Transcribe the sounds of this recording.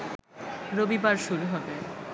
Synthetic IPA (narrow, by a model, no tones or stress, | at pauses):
ɾobibaɾʃuɾuɦɔbe